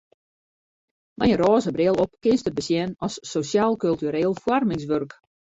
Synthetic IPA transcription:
mɛjəɾɔːzəbrɪəlˠɔp̚kɪnstəbəsjɛnɔsːosjaːlˠkølˠtyɾeːlˠfwarmɪŋsʋørk

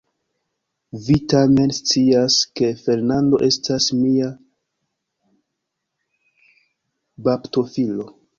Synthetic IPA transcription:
vitame̞nst͡siaske̞fe̞ɾnando̞̰ʔe̞stʰasmia | bapto̞filo̞

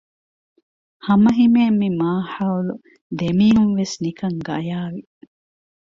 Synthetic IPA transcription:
hɐmɐɦimeːmːimaːħɐwlu | d̪emiːɦunʋesnikɐŋɡɐjaːʋi

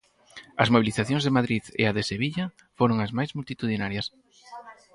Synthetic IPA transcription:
ɐszmoβ̞iliθaθjõŋzðemaðɾiðḛaðeseβiʎɐ | foɾoŋɐzmajzmult̪it̪uðinaɾjɐs

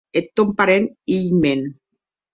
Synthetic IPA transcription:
et̪ːompaɾenijmen

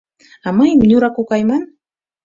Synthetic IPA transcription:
ɑmɤjmnʲuɾɑkukɑjmɑn

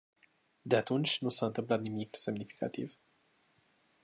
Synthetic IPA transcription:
d̪e̞at̪unt͡ʃʲnusaɨnt̪ɨmplat̪nimikse̞mnifi̥ka̰t̪ḭv

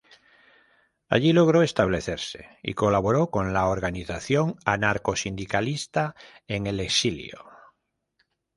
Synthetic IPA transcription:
a̰ʎilo̞ɣ̞ɾoe̞st̪aβle̞θe̞ɾsḛḭko̞laβo̞ɾoko̞nlaoɾɣaniθaθjo̞ŋanaɾko̞sind̪ikalist̪a | eŋe̞leksilj̰o̰

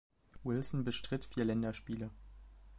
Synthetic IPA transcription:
wɪlsn̩bəʃtʁ̥ɪtfiːɐlɛndɐʃpiːlə

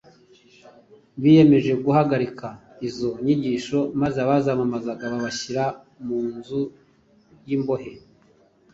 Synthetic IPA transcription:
βije̞me̞ʒe̞ɡuhaɡaɾika | izo̞ɲiɟiʃo̞mazeaβazamamazaɡaβaβaçiɾa | muːnzu | jimbo̞he̞

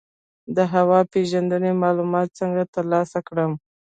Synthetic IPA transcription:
d̪əɦawɑpeʒand̪ənemɑlumɑt̪̚t͡səŋɡat̪əɾlɑsakɽəm

